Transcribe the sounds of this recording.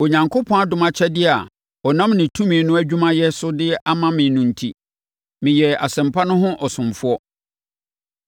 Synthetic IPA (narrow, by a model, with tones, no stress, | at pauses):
o˨ɲã˨ŋkʰo˦pʰɔ̃˦a˦dʊ̃˦mã˦t͡ɕʰɛ˦dɪ˦a˨ | ɔ˨nã˦mnɪ̃˨tʰũ˦mĩː˨˦nʊ̃˦æ˦d͡ʑᶣu˦mã˦jɛ˦sʊ˦dɪ˦a˦mã˦mɪ̃˨˦nʊ̃˦n̩˦tʰi˦ | mɪ̃˨jɛ˨a˨sɛ̃˨mpʰa˦nʊ̃˦ɦʊ̃˦ʔɔ˨sʊ̃˨m˨fʊ˦ɔ˦